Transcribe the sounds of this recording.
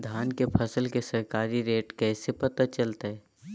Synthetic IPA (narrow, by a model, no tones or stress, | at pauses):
d̪ʱaːnkepʰɐsəlkesɐɾkaːɾiɾeːʈkɛːsepɐt̪at͡ʃɐlt̪aɦɛː